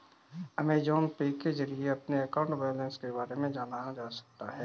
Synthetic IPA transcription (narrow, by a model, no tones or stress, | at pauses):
ɐmẽd͡ʒɔːnpeːked͡ʒɐɾieɐpneɐkaːʊ̃ɳʈbɛːjolə̃nskebaːɾemẽd͡ʒaːnajad͡ʒaːsɐ̥k̚t̪aɦɛː